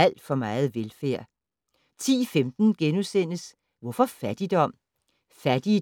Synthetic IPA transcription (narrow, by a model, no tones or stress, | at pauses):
æl̰d̥fɒ̽mɑ̈ːð̞̩ˠʋelfæ̰ɐ̰ | t͡sʰḭːfemd̥n̩ɡ̥enusen̰əs | ʋɒfɒ̽fæd̥id̥ɒ̽m̰ | fæd̥i